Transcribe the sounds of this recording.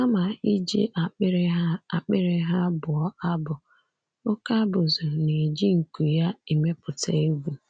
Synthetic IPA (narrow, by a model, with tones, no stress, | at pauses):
a˦ma˨i˦d͡ʒe˦ʔa˨˦ɾa˨k͡pɪ˦ɾɪ˦ɦa˦bʊ˨ɔ˦ʔa˦bʊ˨ | ʊ˦ka˦bʊ˨zʊ˨ne˨d͡ʒi˦ŋ̩˨ku˨ja˦i˨me˦pʊ˨ta̰˦e˦ɡʷu˦